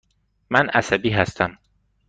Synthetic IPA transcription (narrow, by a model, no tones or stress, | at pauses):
mænʔæsæbiːɦæst̪ʰæm